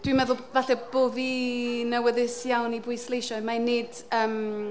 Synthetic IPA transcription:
d̥wimɛðʊlˠvaɬɛboːðinəwɛðɪsjawnibʊɨslˠejʃɔɨmaned̥ | əːm

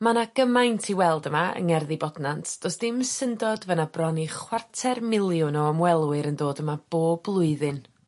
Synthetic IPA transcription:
manaɡ̥əmajntʰiwɛlˠdəmaə̰ŋɛrðibɔdnantʰd̥osd̥ɪmsəndɔdvənabrɔniχwartʰɛrmɪlˠjʊnɔəmwɛlˠwɨɾəndoːdəmab̥oːb̥lˠʊɨðɨn

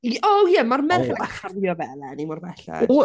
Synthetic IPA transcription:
ɔjɛmarmɛaχarjɔvɛlɛnimɔrmɛɬɛ̰

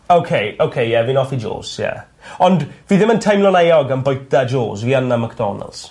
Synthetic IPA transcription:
owkʰejowkʰejjɛvinɔfid͡ʒo̰ːsjɛ̰ | ɔndviːðɪməntʰajmlˠɔnajɔɡənbɔjd̥ad͡ʒo̰ːsviːanːamakd̥ɔ̰nə̰lˠs

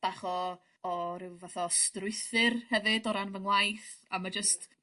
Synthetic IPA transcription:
b̥aχɔ | ɔɾɨwvaθɔstrʊɨθɨrhɛvɨdɔɾanvəŋlˠajθ | amad͡ʒəst

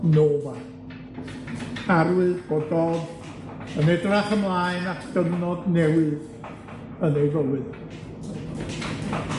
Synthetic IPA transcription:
noːva | arwɨðb̥odɔð | ənɛdraχəmlˠaɨnaχd̥əvnɔdnɛwɨð | ənejvɔlˠɨð

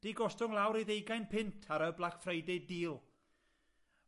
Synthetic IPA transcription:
d̥iɡɔstʊŋlˠawɾiðejɡajnpʰɪntʰaɾəblˠakfrejdɛdiːlˠ

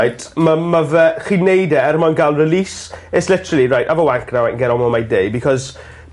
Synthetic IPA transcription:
jtʰmamavɛχinejdɛɛɾmɔnɡalˠrɪliːsɛslɪtəɾəlˠiɾajtavɔwaŋkʰnawaɡɛɾɔmɔmajdejbikʰɔz

